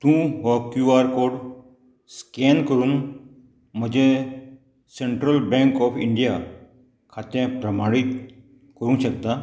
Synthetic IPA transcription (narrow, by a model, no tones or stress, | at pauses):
t̪ũɦɔkjuaɾkoːɽ | skɛnkəɾuːn | m̤əd͡ʑe | seɳʈɾəlbɛ̃ŋkɔfʰiɳɖija | kʰat̪ẽpɾəmaɽit̪ | kəɾũɕəkt̪a